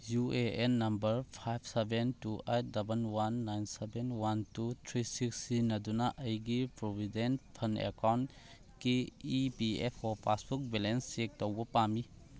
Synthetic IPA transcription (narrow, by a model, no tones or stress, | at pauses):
jueenːɐmbɐɾpʰajb̚ʰsebentuʔejt̚dɐbɐnwanːajnsebenwantutʰɾisiksinɐdunɐʔɐjɡipɾobʱidenpʰɐnḛkawnt | keipiepʰɔpasbuk̚belensek̚towbɐpami